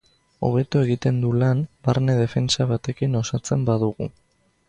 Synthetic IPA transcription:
o̞̰β̞e̞t̪ue̞ɣit̪e̞nd̪ulanbaɾne̞ð̞e̞fe̞nt͡saβat̪e̞kino̞sat͡se̞mbaðuɣṵ

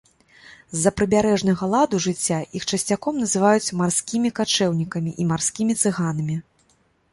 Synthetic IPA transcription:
zːɐpɾɨbʲaɾɛʐnɐɣɐlˠad̪uʐɨt͡sʲːaixt͡ʂɐsʲt͡sʲakɔmnɐzɨvajut͡sʲmarsʲkʲimʲikat͡ʂɛwnʲikɐmʲiʔimarsʲkʲimʲit̪sɨɣanɐmʲi

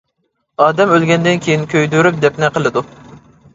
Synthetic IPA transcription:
ɑːd̪ɛmølɡʲɛnd̪ɪnkʲʰejinkʲʰøjd̪yɾyp̚d̪ɛpnɛqəlˠɨd̪u

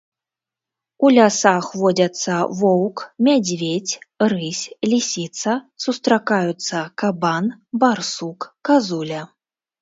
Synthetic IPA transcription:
ulʲasaxvɔd͡zʲɐt̪sːɐvɔwkmʲad͡zʲvʲet͡sʲrɨsʲlʲisʲit̪sɐsust̪ɾakajut̪sːɐkabanbarsukːazulʲɐ

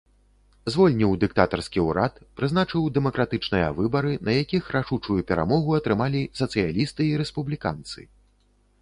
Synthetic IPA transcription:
zvɔlʲnʲiwd̪ɨk̚t̪at̪ɐrskʲiuɾat̪pɾɨznat͡ʂɨwd̪ɛmɐkɾat̪ɨt͡ʂnɨjɐ̰vɨbɐɾɨnɐjakʲixɾaʂut͡ʂujupʲɛɾa̰mɔɣuɐt̪ɾɨmalʲisɐt̪sɨjalʲist̪ɨːɾɛspublʲika̰nt̪sɨ̰

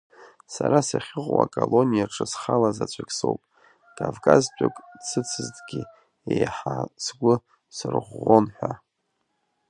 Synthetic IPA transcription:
saɾasaχʲɪqʼwa̰kʼolo̞nʲijaʈ͡ʂʰɨsχalazat͡ɕʷʰakʲʼso̞̰wpʼ | kʼavkʼaztʷʼakʼt͡sʰɨt͡sʰɨzdʼɡʲi | ejħasɡʷʊ | sɨrʁʷːonħᶣʷa

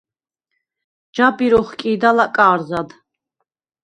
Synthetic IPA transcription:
d͡ʒabiɾɔχkʼiːd̪alakʼaːɾzad̪

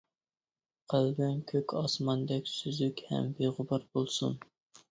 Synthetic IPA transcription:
qʰəlɡɛnkʲʰøkʲʰɑsmɑnd̪ɛkʲsyzykʲhɛ̰mbeʁʊbɑɾbolˠsṵn

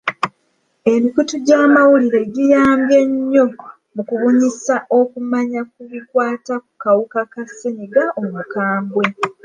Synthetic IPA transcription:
e̞mikutuɟaːmawuliɾe̞ɟijaːmbje̞ɲːo̞ | mukuβuɲisaʔo̞kumaɲak̚uβikwaːtak̚u̥kawukakaseniɡaomukaːmɡwe̞

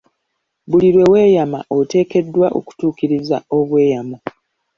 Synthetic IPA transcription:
βuliɾwe̞we̞ːjamaʔote̞ːke̞dːwaʔo̰ku̥tuːkiɾiza̰o̞βwe̞ːjama

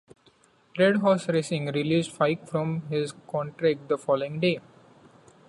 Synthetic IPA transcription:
ɾeɖɦɔːsɾesɪ̃ŋɾɪliːsʈfaɪkfɾɔ̃mɦɪzkɔ̃ːɳʈɾæk̚ʈ̚d̪əfɔːloɪ̃ŋɖeː

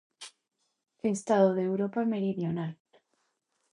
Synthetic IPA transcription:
est̪aðoðeːwɾo̞pame̞ɾiðjo̞nal

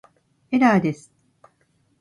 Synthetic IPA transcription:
eɾaːd̪e̞sɨ̥

